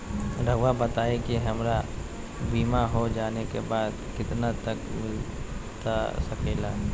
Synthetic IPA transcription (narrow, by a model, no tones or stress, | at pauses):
ɾəɡʋabət̪aːekiɦɐmɾa | biːmaɦod͡ʒaːnekebaːd̪kɪt̪nat̪əkmɪlt̪a̰sɐkʰeːla